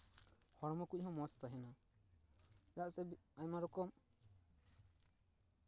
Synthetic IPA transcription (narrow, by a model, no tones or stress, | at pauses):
hɔɾmɔkuc̚ˀhɔ̃mɔst̪aɦɛna | d͡ʒaʔsɛaɲmaɾɔkɔm